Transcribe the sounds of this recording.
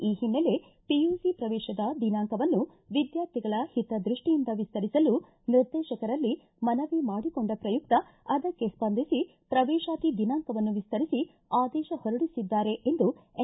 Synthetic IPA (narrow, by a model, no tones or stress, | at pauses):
iːɦinːɐle̞ | piuːsipɾɐʋɛːʃɐd̪ɐd̪inaːŋkɐʋɐnːu | ʋid̪jaːɾt̪ʰiɡɐɭɐhit̪ɐd̪ɾiʂʈijind̪ɐʋist̪ɐɾisɐlu | niɾd̪ɛːʃɐkɐɾɐlːi | mɐnɐʋimaːɽikoɳɖɐpɾɐjuk̚t̪ɐ | ɐd̪ɐkːe̞spɐnd̪ʱisi | pɾɐʋɛːʃaːt̪id̪inaːŋkɐʋɐnːuʋist̪ɐɾisi | aːd̪ɛːʃɐhɔɾɐɽisid̪ːaːɾe̞ʔend̪u